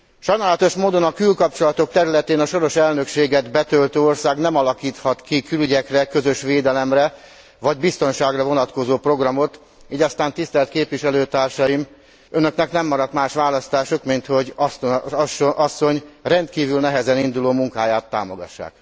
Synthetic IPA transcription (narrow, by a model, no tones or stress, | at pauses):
ʃɒjnaːlɒt̪o̞ʃmoːd̪o̞nɒkylkɒp̚t͡ʃo̞lɒt̪o̞k̚t̪ɛɾylɛt̪eːnɒʃo̞ɾo̞ʃɛlnø̞kʃeːɡɛd̪bɛt̪ølt̪øːo̞rsaːɡnɛmɒlɒkiːt̪hɒt̪kikylyɟɛkrɛkø̞zøʃʋeːd̪ɛlɛmrɛ | vɒɟbist̪o̞nʃaːɡrɒvo̞nɒt̪ko̞zoːpro̞ɡrɒmo̞t̪ | iːɟɒst̪aːnt̪ist̪ɛlt̪keːpʋiʃɛløːt̪aːrʃɒjim | ønø̞knɛknɛmːɒɾɒt̪maːʃʋaːlɒst̪aːʃokmint̪ho̞ɟs | ʔɒsːo̞ɲrɛnt̪kiːvylnɛɦɛzɛnind̪uloːmuŋkaːjaːt̪ːa̰ːmo̞ɡɒ̰ʃːa̰ːk